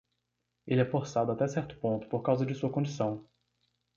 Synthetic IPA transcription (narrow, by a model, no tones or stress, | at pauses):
elɛfoɾsad̪ʊat̪ɛsɛɾt̪ʊ̥põnt̪ʊ̥poɾkawzɐd͡ʒɪsuɐkõd͡ʒisɐ̃w̃